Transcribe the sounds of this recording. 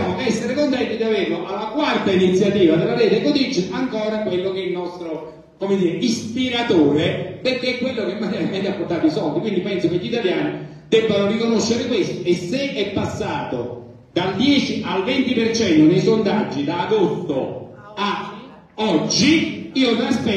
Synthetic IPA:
amoɛsːeɾekont̪ɛnt̪id̪averloʔalːakwart̪ainit̪sːjat̪iːvad̪elːaɾɛːt̪ekod̪id͡ʒaŋkɔːɾakwelːokeilnɔst̪ɾo | komed̪iːɾeispiɾat̪oːɾeperkeɛkːwelːokemːanɛɾemɛnt̪apːort̪aːt̪isɔld̪ikwind̪ipɛnsokeʎːit̪aljaːni | d̪ɛbːanorikonoʃːeɾekwest̪oesːeɛpːasːaːt̪o | d̪ald̪jɛːt͡ʃiʔalvent̪ipert͡ʃɛnt̪onejsond̪ad͡ʒːilaːd̪ot̪ːo | a | ɔd͡ʒːiiːomiaspɛ

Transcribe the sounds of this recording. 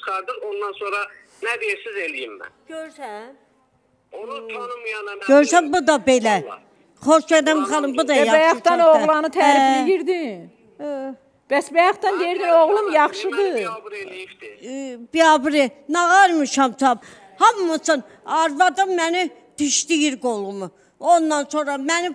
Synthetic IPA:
t͡ʃχɑɾd̪ɯmond̪ɑnsoɾɑ | næd̪isizelijimbæ̰ɟ̥øɾsæn | omjɡøɾsænbud̪ɑbelæ | χoʃɡæd̪ænbχɑlˠɯmbud̪ɑjɑæjɑt̪ɑnoʁlˠɑnɯt̪ʰæfjiɾd̪in | b̥æsbæjɑχt̪ɑnd̪ejɾd̪inoʁlˠumjɑχʃɯd̪ɯ | b̥iɑbɾinɑɣɑɾmiʃɑmt̪ʰɑb | hɑmːɯsɯn | ɑɾvɑd̪ɑmːæni | d̪̥iʃt̪ijiɾɡolˠumu | ond̪ɑnsonɾɑmæni

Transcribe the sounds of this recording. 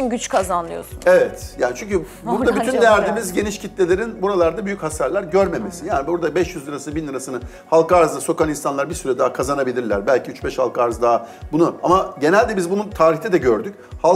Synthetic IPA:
nɟyt͡ʃkʰazanlˠɯjo̰sunevɛt̪jaːnit͡ʃʰyɲcʰy | buɾd̪abyynd̪ejæɾd̪iːmizɟe̞niʃcʰit̪lʲe̞lʲe̞ɾinbuɾalˠaɾd̪abyjychasaɾlʲˠæɾɟøɾme̞mesijaːnibuɾd̪abɛʃjyzlɯɾasɯnɯbinːˠɯɾasɯnɯ | halˠkaɾzd̪aso̞kaninsanlˠaɾbiɾsyɾɛd̪aːakʰazanabilʲiɾlʲæɾbælʲcʰiyt͡ʃbɛʃhalˠkaɾzd̪aɦabunuamaɟe̞nælʲd̪ɛbizbununt̪ʰaːɾiçt̪ʰɛd̪ɛɟøɾd̪ycha

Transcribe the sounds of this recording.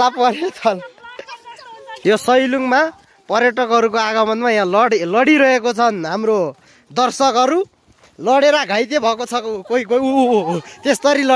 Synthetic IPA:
lapʌɾjot͡sʰʌl | josʌjluŋma | pʌrjʌʈʌkɦʌɾukoaɡʌmʌnmajãlʌɽlʌɽiɾʌɦekot͡sʰʌnɦamro | d̪ʌrsʌkɦʌɾu | lʌɽeɾaɡʱajt̪ebʱʌkot͡sʰʌkkoiko | t̪est̪ʌɾilʌ

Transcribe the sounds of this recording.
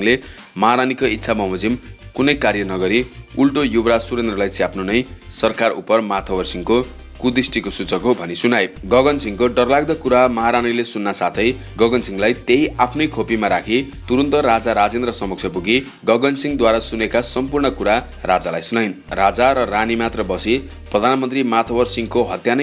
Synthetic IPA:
ŋlemaɾanikoit̪ːsʰamʌɦmʌd͡zimkunʌjkaɾjʌnʌɡʌɾiulʈojubɾasuɾend̪rʌlajsʰiapʰnonʌjsʌrkarṵpʌrmat̪ʰʌbʌrsiŋko | kud̪isʈikosut͡sʌkɦobʱʌnisunajɡʌɡʌnsiŋkoɖʌrlaɡ̚d̪ʌkuɾamaɦaɾanilesunːasat̪ʰʌj | ɡʌɡʌnsiŋlajt̪ejʔapʰnʌjkʰopimaɾakʰi | t̪uɾunt̪ʌɾad͡zaɾad͡zend̪rʌsʌmʌk̚sʰʌpuɡi | ɡʌɡʌnsiŋd̪waɾasunekasʌmpurɳʌkuɾa | rad͡zalajsunajnrad͡zaɾʌranimat̪rʌbʌsi | prʌd̪ʱanmʌnt̪rimat̪ʰʌbʌrsiŋkoɦʌt̪janʌ

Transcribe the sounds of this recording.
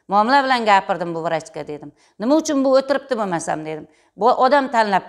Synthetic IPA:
mʊɒmɪlabɪlanɡʲapɪɾd̪ɪmbʊvɾat͡ʃkʲad̪e̞d̪ɪm | nɪmaʊt͡ʃʰʊnbʊɵt̪ɪɾɪp̚t̪ɪbomasa̰md̪e̞d̪ɪm | bʔɒd̪amt̪ʰanlap̚

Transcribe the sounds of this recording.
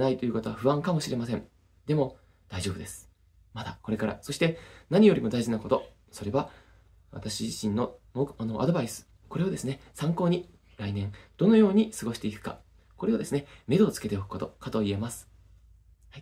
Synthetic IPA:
nait̪ojɯ̟ko̞t̪o̞βaɸɯ̟βãŋkamo̞ɕiɾe̞masẽ̞ŋ | d̪e̞mo̞ | d̪̥aiʑo̞ːbɯ̟d̪e̞sɨ̥ | mad̪ako̞ɾe̞kaɾa̰so̞ɕi̥t̪e̞naɲ̟ijo̞ɾʲimo̞d̪aiʑinako̞t̪o̞ | so̞ɾe̞βa | βa̰t̪aɕiʑiɕĩnːo̞moːkano̞ʔa̰d̪o̞baisɨ̥ | ko̞ɾe̞o̞d̪e̞sɨne̞sãŋko̞ːɲ̟i | ɾainẽ̞ŋd̪̥o̞no̞jo̞ːɲ̟isɨɡo̞ɕi̥t̪e̞ikɯ̟̥ka̰ | ko̞ɾe̞o̞d̪e̞sɨne̞me̞d̪o̞t͡sɨ̥ke̞t̪e̞okɯ̟̥ko̞t̪o̞kat̪o̞ie̞masɨ̥ | ha

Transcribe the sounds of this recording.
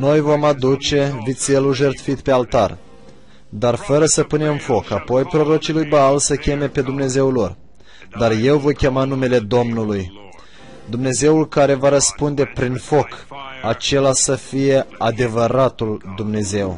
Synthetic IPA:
no̞jvo̞mad̪ut͡ʃe̞vit̪se̞luʒert̪fit̪pe̞alt̪ar | d̪arfəɾəsəpune̞mfo̞kapo̞jpɾo̞ɾo̞t͡ʃilujbəalsəkʲe̞me̞pe̞d̪umne̞ze̞wlo̞r | d̪arje̞wvo̞jkʲe̞manume̞le̞d̪o̞mnuluj | d̪umne̞ze̞ulkaɾe̞vaɾəspund̪e̞pɾinfo̞kat͡ʃe̞lasəfije̞ad̪e̞vəɾat̪uld̪umne̞ze̞w

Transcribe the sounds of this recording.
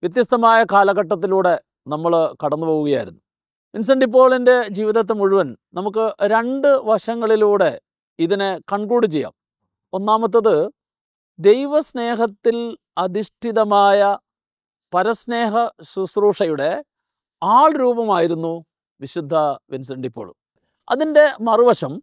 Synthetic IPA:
ʋjɐt̪̬jɐst̪ɐmaːjɐkaːlɐɣɐʈːɐt̪̬ːiluːɽe̞ | nɐmːɐɭkɐɽɐnːupoːɣuɣɐja̰ːjḭɾunːu | ʋins̬ɐɳɖip̬ːo̞ːɭinde̞d͡ʑiːʋiðɐt̪̬ːemuɻuʋɐnnɐmuk̬ːɨɾe̞ɳɖɨʋɐʂɐŋːɐɭiluːɽe̞ | iðinekɐɳkuːɽit͡ɕejːa̰ːm | o̞nːaːmɐt̪̬ːɐðɨ | d̪e̞jʋɐsne̞ːɦɐt̪ːil | ɐd̪ʱiʂʈʰiðɐmaːjɐ | pɐɾɐsne̞ːɦɐɕusruːʂɐjuɽe̞ | aːɭɾuːbɐmaːjiɾunːu | ʋiɕud̪ʱːɐʋins̬ɐɳɖipːo̞̰ːɭ̰m | ɐ̰ðinde̞mɐriʋɐɕɐm

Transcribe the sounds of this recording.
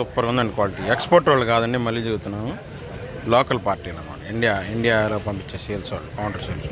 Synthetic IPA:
upːɐɾkund̪ɐɳɖikʋaːliʈiːekspoːɾʈʋaːɭːukaːd̪ɐɳɖimɐlːijɐd͡ʒeɡut̪unːaːmu | loːkɐlpaːɾʈːiːlɐma̰ːɳiiɳɖijaːiɳɖijaːloːpɐmpit͡ʃːeseːlsʋa̰ːɭːukɐwɳʈɐɾseːls

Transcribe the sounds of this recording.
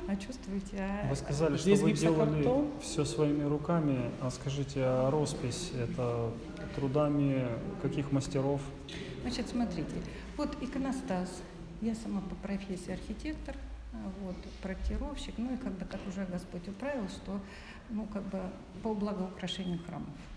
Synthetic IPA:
ɐt͡ɕust̪vʊjtʲɪavɨskɐzalʲɪʂteovɨdʲelˠllʲɪomfsʲosvɐimʲɪɾʊkamʲɪɐskɐʐɨtʲɪɐɾo̞spʲɪsʲɛt̪ə | t̪ɾʊd̪amʲɪkɐkʲixməsʲtʲɪɾo̞f | nat͡ɕɪt̪smɐt̪ɾʲitʲɪ | vot̪ɪkənɐst̪as | jasɐmapəpɾɐfʲesʲɪːɐrxʲɪtʲe̞kt̪ər | vo̞t̪ | pɾɐtʲɪɾo̞fɕːɪknuɪkaɡ̚b̪ɨt̪akʊʐɛɡɐspotʲʊpɾavʲɪlˠʂt̪o | nukaɡ̚bɨ | pəblˠɐɡəʊkɾɐʂɛnʲɪjʊxɾa̰məf

